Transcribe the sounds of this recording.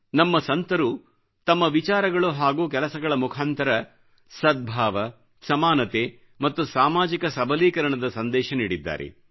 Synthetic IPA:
nɐmːɐsɐnt̪ɐɾu | t̪ɐmːɐʋit͡ʃaːɾɐɡɐɭuɦaːɡuːkɛlɐsɐɡɐɭɐmukʰaːnt̪ɐɾɐ | sɐd̪̚bʱaːʋɐ | sɐmaːnɐt̪e | mɐt̪ːusaːmaːd͡ʒikɐsɐbʱɐliːkɐɾɐɳɐd̪ɐsɐnd̪ɛːʃɐniːɽid̪ːa̰ːɾḛ

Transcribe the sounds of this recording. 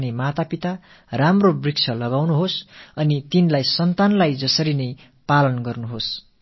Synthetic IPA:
nemat̪apit̪a | ramrobrikt͡sʰʌlʌɡawnuɦosʌnit̪inlajsʌnt̪anlajd͡zʌsʌɾinʌj | palʌnɡʌrnuɦos

